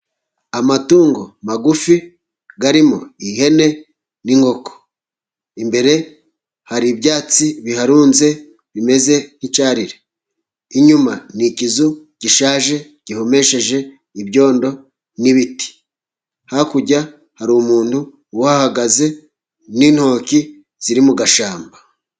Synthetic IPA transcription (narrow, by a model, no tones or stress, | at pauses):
amatuːŋɡo̞maɡufi | ɡaɾimo̞̰iɦe̞ne̞ | niŋɡo̞ko̥ | imbe̞ɾe̞ | haɾibjaːt͡siβihaɾuːnze̞ | βime̞ze̞nit͡ʃaːɾiɾe | iɲumanicizu | ɟ̥iʃaːʒe̞ | ɟ̥iho̞me̞ʃe̞ʒe̞ | ibjo̞ːndo̞ | niβiti̥ | hakuɟa | haɾumuːntu | wahahaɡaze̞ | nin̥ho̞ːki | z̥iɾimuɡaʃaːmba